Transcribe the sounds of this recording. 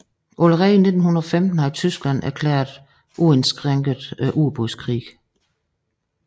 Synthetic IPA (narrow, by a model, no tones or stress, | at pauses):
ʔoləʁɛːne̝d̥n̩hunɐɒ̽femd̥n̩hɑ̈it͡sʰysɡ̥læn̰æɐkʰlɛ̰ːɐðˠ | ʔuensɡ̥ʁeŋɡ̥ð̩ˠʔuɐb̥oskʰʁḭːɡ